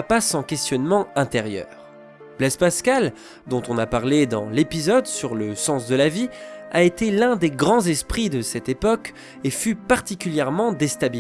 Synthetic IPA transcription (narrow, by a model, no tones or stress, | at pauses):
pasɑ̃kʲɛst̪jɔnmɑ̃ɛ̃t̪ɛʁjœ̰ːʁ | b̥lɛspaskal | d̪ɔ̃t̪ɔ̃napaʁled̪ɑ̰̃lepizɔd̪syʁləsɑ̃sd̪əlaviaet̪elɛ̃d̪eɡʁɑ̃zɛspχid̪əsɛt̪epɔk | efypaʁt̪ikʲyljɛʁmɑ̃d̪est̪abi